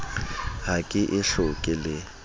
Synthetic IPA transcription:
hakʼɪʔɪɬʊkʼɪlɪ

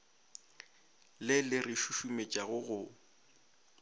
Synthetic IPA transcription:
lɪlɪrɪʃuʃumet͡ʃʼaɣʊɣʊ

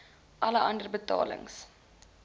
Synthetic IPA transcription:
ʔɐləʔɐndərbətɑ̰ːlə̰ŋs

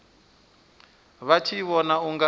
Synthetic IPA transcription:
βat͡ʃʰiβɔnauŋɡa

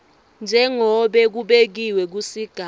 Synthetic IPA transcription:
nd͡ʒʱɛŋɔɓɛk̬uɓek̬iwɛk̬usiɡ̥ʱa

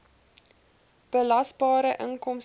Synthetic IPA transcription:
b̥əlɐsbɑːɾəʔəŋkɔms

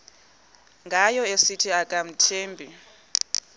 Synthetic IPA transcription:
ŋɡʱajɔesitʰiakʼam̩tʰeːmbʱi

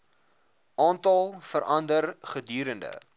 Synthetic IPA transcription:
ʔɑːntɐlˠfəɾʔɐndərχədyːɾəndə̰

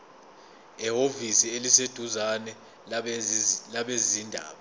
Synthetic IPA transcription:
ɛɦovisielised̥ʱuzanɛ | laɓezindʱa̰ːɓa

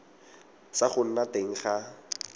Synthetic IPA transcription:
saχʊn̩nateŋ̩χa

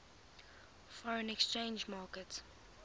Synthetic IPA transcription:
fɔɹə̃nɛkst͡ʃẽːnd͡ʒmɑːkət

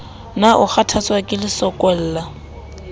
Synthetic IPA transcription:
naʔʊχatʰat͡swakʼɪlɪsɔkʼɔl̩ːla

